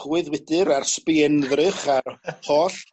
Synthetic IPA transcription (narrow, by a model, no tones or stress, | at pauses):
χwɨðwɪdɨɾarspɪɛnðrɨχahoːɬ